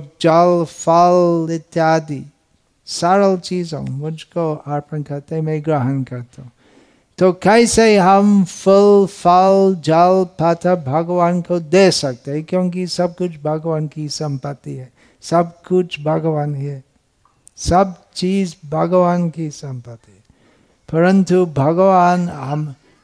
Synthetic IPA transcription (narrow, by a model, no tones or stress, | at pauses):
d͡ʒalfalɪt̪ːjaːd̪i | saːɾəlt͡ʃiːzõ̰mʊd͡ʒʱkoaːɾpənkɐɾt̪eɦɛ̃mẽɡɾaɦənkɐɾt̪aɦũ | t̪okɛɪseiɦɐmfʊlfald͡ʒalpaːt̪ʰəbʱɐɡʋaːnkod̪esɐk̚t̪eɦɛ̃kjõːŋkisɐb̚kʊt͡ʃʰbʱɐɡʋaːnkisɐ̃mpət̪ːiɦɛ | sɐbkʊt͡ʃʰbʱɐɡʋaːnɦɛ | sɐb̚t͡ʃiːzbʱɐɡʋaːnkisɐ̃mpət̪ːiɦɛ | pɐɾə̃nt̪ubʱɐɡʋaːnɦɐm